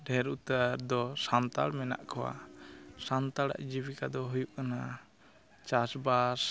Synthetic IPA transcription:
ɖʱɛɾut̪aɾd̪ɔsant̪aɽmɛna̰ʔkʰɔwa̰sant̪aɽa̰ʔd͡ʒibikad̪ɔɦujuʔkana | t͡ʃasbas

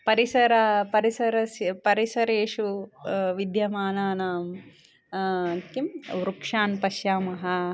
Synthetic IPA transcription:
pɐɾisɐɾɐpɐɾisɐɾɐspɐɾisɐɾeːʂuʋid̪jɐmaːnaːnaːm | kimʋɾukʂaːnpɐʃjaːmɐɦɐ

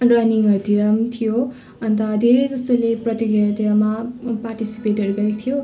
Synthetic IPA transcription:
rʌniŋʌɾud̪ʰiɾʌmt̪ʰijo | ʌnt̪ʌd̪ʱeɾejd͡zʌst̪oleprʌt̪iɡjʌt̪jamapaɾʈisi̥peʈɦʌɾuɡʌɾet̪ʰijo

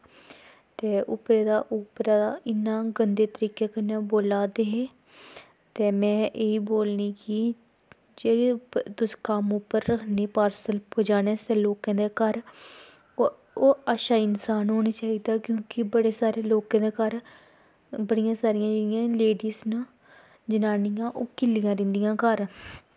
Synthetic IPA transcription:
t̪eːʔʊ̰pɾeːd̪aːʔupɾaːd̪aːʔɪnːãːɡənd̪eːt̪əɾiːkeːkəneːboːlaːd̪eːɦeː | t̪eːmɛ̃ːʔeiːboːlniːkɪ | d͡ʒeːɽiːt̪ʊskəmʊpəɾːəkʰniːpaːɾsəlpʰoːd͡ʒaːɽeːseːloːkãːd̪eːkəɾ | oːəʃaːɪnsaːnɦoːnaːt͡ʃaːiːd̪aːkjõːkɪbəɽeːsaːɾeːloːkãːd̪eːkəɾ | bəɽɪjãːsaːɾɪjãːd͡ʒeːɽijãːleːɖiːzna | d͡ʒənaːnijãːʔoːkɪlːijãːɾɪ̃nd̪ijãːkəɾ

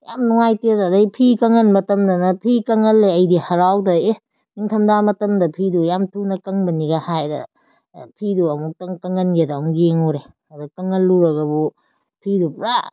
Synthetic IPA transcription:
ja̰mnuŋajteddɐjpʰikɐŋɐnmɐtɐmdɐnɐpʰikɐŋɐlːeɐjdihaɾawdɐe | niŋtʰɐmdamɐtɐmdɐpʰidujamtʰunɐkɐŋbɐniɡahajdɐ̰ | pʰiduɐmuk̚tɐŋkɐŋɐnɡedaŋɡeŋuɾe | adakɐŋɐlːuɾaɡɐbu | pʰidupɾa

